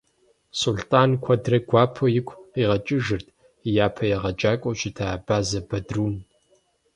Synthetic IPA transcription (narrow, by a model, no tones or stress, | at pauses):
sultʼaːnkʷʰɐdrɐɡʷɑːpʰojɪkʷʰʼqiːʁɐt͡ʃʼɪʒɨrtʰʼ | jaːpʰɐjɛʁɐt͡ʃʼaːkʷʼowʃɪtʰaːb̥aːzɐbɐdruːn